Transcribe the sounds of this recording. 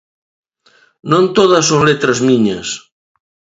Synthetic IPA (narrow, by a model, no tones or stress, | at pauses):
nõnt̪oðɐsoŋlet̪ɾɐzmiɲɐs